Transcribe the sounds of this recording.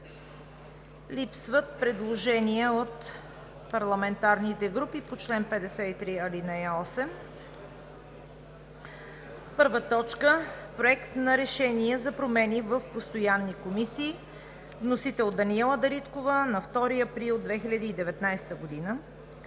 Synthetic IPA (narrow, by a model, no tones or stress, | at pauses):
lipsvət̪̚pɾɛd̪lˠoʒɛniəot̪ | pɐɾlˠɐmɛnt̪aɾnit̪ɛɡɾupipot͡ʃlɛnpɛd̪ɛsɛit̪ɾiɐlinɛjəɔsɛm | pɤɾvət̪ɔt͡ʃkəpɾoɛkt̪nɐɾɛʃɛniɛzɐpɾomɛnivəfpost̪ojanːikomisiː | vnosit̪ɛlˠd̪ɐniɛlˠəd̪ɐɾit̪kovənɐft̪ɔɾiɐpɾilˠd̪vɛxilʲəd̪əːd̪ɛvɛt̪najst̪əɡod̪inə